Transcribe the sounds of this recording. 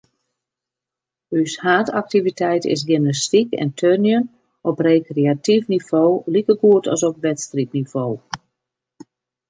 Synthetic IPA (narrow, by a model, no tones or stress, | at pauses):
yshaːtak̚tivitʰɛjtɪ̰s̬ɡɪmnəstikɛ̰ntʰønjən | ɔpreːkreatifnivoːlikəɡuətɔ̰sɔp̚ʋɛtstrip̚nivoː